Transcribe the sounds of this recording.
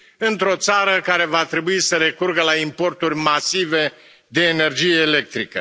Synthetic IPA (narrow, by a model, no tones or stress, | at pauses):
ɨnt̪ɾo̞t̪saɾəkaɾe̞vat̪ɾe̞buisəɾe̞kurɡəlaimpo̞rt̪urʲmasive̞ | d̪e̞ːne̞rd͡ʒijeːle̞k̚t̪ɾikə